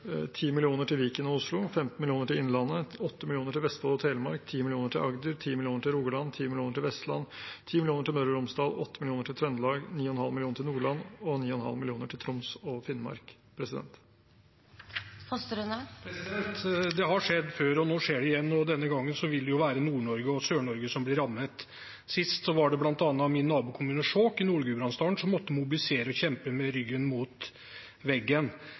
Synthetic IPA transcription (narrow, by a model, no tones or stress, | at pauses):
t̪ʰiːmɪlɪuːnəʈʰɪlʋiːkənɔʊslʊfɛmt̪n̩mɪlɪuːnəʈɪɪnlɑnːəɔt̪ːəmɪlɪuːnəʈʰɪlʋɛst̪fɑːlɔt̪ʰeːləmɑ̰ɾkt̪ʰiːmɪlɪuːnəʈʰɪlʔɑɡd̪əɾt̪ʰiːmɪlɪuːnəʈʰɪlɾuːɡəlɭɑnt̪ʰiːmɪlɪuːnəʈʰɪlʋɛst̪lɑ̰nt̪ʰiːmɪlɪuːnəʈʰɪlmœɾəɾʊmsd̪ɑːlɔt̪ːəmɪlɪuːnəʈʰɪlt̪ʰɾœnd̪əlɑːɡniːɔɛnhɑlmɪlɪuːnəʈʰɪlnuːɭɑnɔniːɔnhɑ̰lmɪlɪuːnəʈʰɪlt̪ʰɾʊmsɔfɪnːmɑ̰ɾk | pʰɾɛsɪd̪ɛ̰nt̪ | fɔst̪əɾʉnəpʰɾɛsɪd̪ɛnt̪d̪ɛɦɑʂɛd̪ːføːɾɔnoːʂeːɖɛɪjɛnːɔd̪ɛnːəɡɑŋːənsɔʋɪld̪ɛjʊʋæːɾənuːɳɔɾɡəɔsøːɳɔɾɡəsɔmblɪɾɑmːət̪ | sɪst̪sɔʋɑɖɛblɑnt̪ɑnːɑmɪnːɑːbuːkʰʊmʉːnəʂɔːkːɪnuːɭɡʉːbɾɑnst̪ɑːɳsɔmːɔt̪ːəmʊbɪlɪseːɾəɔçɛmpəmɛɾʏɡːənmuːt̪ | ʋɛɡːən